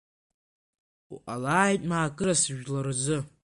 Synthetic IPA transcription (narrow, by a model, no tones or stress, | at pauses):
ṵʔalaːjtʼmaːkʼɨɾasɨʒᶣlard͡zɨ